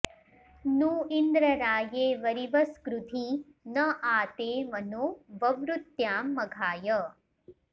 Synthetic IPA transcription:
nuːind̪ɾɐɾaːjeːʋɐɾiʋɐskɾut̪i | nɐʔaːt̪eːʋɐnuʋɐʋɾut̪jaːmːɐɡʱaːjɐ

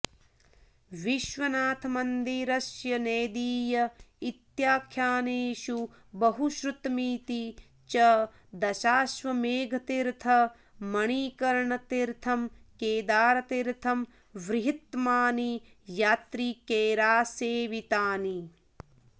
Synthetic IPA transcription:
ʋiʃʋɐnaːt̪ʰɐmɐnd̪iɾɐʃjɐneːd̪iːjɐit̪jaːkʰjaːneːʃu | bɐɦuʃɾut̪miːt̪i | t͡ʃɐ | d̪ɐʃaːʃʋɐmeːɡʱɐt̪iɾt̪ʰɐ | mɐɳ̃iːkɐɾɳɐt̪iɾt̪ʰɐmkeːd̪aːɾɐt̪iɾt̪ʰɐm | ʋɾɪɦit̪maːni | jaːt̪ɾikeːɾaːseːʋit̪aːni

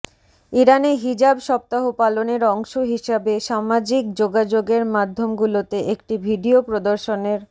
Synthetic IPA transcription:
iɾaneɦid͡ʑabʃɔp̚t̪aɦopaloneɾɔŋʃoɦiʃabeʃamad͡ʑik̚d͡ʑoɡad͡ʑoɡeɾmad̪ʱːomɡulot̪eʔek̚ʈibʱiɖiopɾod̪oɾʃoneɾ

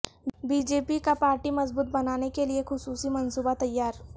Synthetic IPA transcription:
biːd͡ʒeːpikapaːɾʈimɐzbuːt̪̚bɐnaːnekeliexʊsuːsimɐnsuːbat̪ɐjːaːɾ

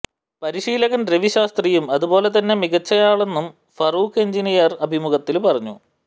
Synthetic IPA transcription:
pɐɾiʂiːlɐɣɐndreʋiɕaːst̪rijumɐðubo̞ːle̞t̪ɐnːe̞miɡɐt͡ɕːɐjaːɭe̞nːum | fɐruːkeɲd͡ʑinijɐrɐbʱimuɣɐt̪ːilpɐrɐɲːṵ

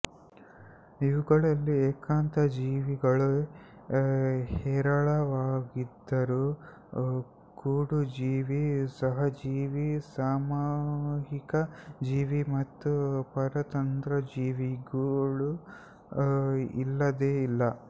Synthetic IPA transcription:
iʋuɡɐɭɐlːieːkaːnt̪ɐd͡ʒiːʋiɡɐɭu | hɛːɾɐɭɐʋaːɡid̪ːɐɾu | kuːɽud͡ʒiːʋisɐɦɐd͡ʒiːʋisaːmaɦikɐd͡ʒiːʋimɐt̪ːupɐɾɐt̪ɐnt̪ɾɐd͡ʒiːʋiɡɐɭu | ḭlːɐd̪eːilːɐ

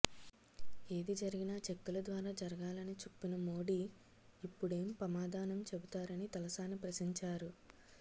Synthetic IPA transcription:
e̞ːd̪id͡ʒɐɾiɡinaːt͡ʃekːulɐd̪ʋaːɾaːd͡ʒɐɾɐɡaːlɐnit͡ʃupːinɐmo̞ːɽiː | pːuɽe̞ːmpɾɐmaːd̪ʱaːnɐmt͡ʃebut̪aːɾɐnit̪ɐlɐsaːnːipɾɐʃiɲt͡ʃaːɾu

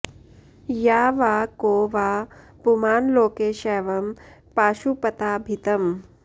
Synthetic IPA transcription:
jaːʋaːkoːʋaː | pumaːnloːkeːʃɛːʋɐmpaːʃupɐt̪aːbʱit̪ɐm

